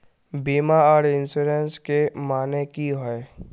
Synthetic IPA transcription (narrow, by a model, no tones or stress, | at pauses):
biːmaɔːɾɪnsuɾenskemaːnekiɦɔe